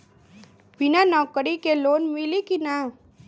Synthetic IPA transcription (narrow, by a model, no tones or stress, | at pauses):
binanɔkəɽikeloːnmilikina